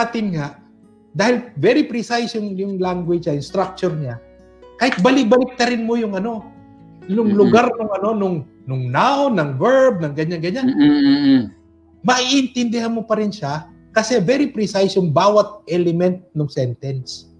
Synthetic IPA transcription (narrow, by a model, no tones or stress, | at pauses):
at̪ɪnŋaʔ | d̪aːhɪlvɛɾipɾɪsajsjʊŋjʊŋlaŋɡwɪd͡ʒajʊŋst̪ɾak̚t͡ʃʊɹɲa | kaːhɪt̪̚bɐlɪk̚bɐlɪk̚t̪ɐɾɪnmojʊŋʔɐno̞ | jʊŋlʊɡaɾnʊŋɐno̞nʊŋ | nʊŋnawnɐŋvɛɹb̚nɐŋɡɐɲːaŋɡɐɲanː | mɐʔiʔɪnt̪ɪnd̪ɪhanmo̞pɐɾɪnʃa | kɐsɛvɛɾipɾisajsjʊŋbaːwɐt̪̚ʔɛlɛmɛnt̪̚nʊŋsɛnt̪ɛns